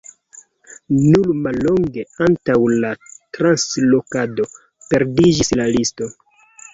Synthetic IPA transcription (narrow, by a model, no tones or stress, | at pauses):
nulmalːo̞ŋɡe̞antawlatɾanslo̞kado̞ | pe̞ɾdid͡ʒislalisto̞